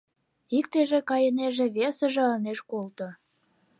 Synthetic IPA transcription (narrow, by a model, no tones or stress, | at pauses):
ik̚t̪eʒĕkɑjəneʒĕβesə̆ʒĕəneʃkolt̪o